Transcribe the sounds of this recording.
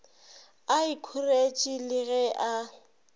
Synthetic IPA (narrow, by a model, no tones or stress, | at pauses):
aɪkʰʊret͡ʃʼilɪɣɛʔa